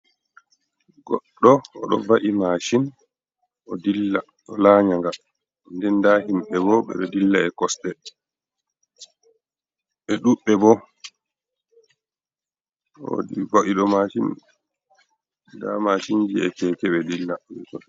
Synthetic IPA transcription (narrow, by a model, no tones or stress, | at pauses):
ɡɔ̰ɗːɔɔɗɔ̰vaʔimaːʃin | ʔɔdilːa | ɗɔlaɲaŋɡa | ndɛndahimɓɛbɔɓɛ̰ɗɔdilːaɛkɔsɗɛ | ɓɛɗuɓːɛbɔ | o̰dibaʔiɗɔmaʃin | damaʃind͡ʒiɛkɛkɛɓɛdilːaɛ̰kɔs